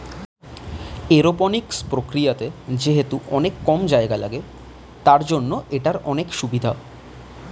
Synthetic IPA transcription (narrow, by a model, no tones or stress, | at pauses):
eɾoponikspɾokɾijat̪ed͡ʑeɦet̪uʔɔnekːɔmd͡ʑaeɡalaɡe | t̪aɾd͡ʑonːoʔeʈaɾɔnekʃubid̪ʱao